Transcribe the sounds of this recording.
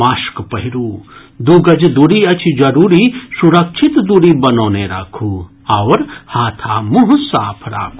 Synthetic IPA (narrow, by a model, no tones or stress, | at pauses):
aːʃkpɐɦiɾuː | d̪uːɡɐd͡ʒd̪uɾiːɐt͡ʃʰid͡ʒɐɾuːɾiːsuɾɐkʃʰɪt̪d̪uɾiːbɐnoːneɾa̰ːkʰuː | ɐʋɾhaːt̪ʰaːmʊɦʊsaːpʰɾa̰ː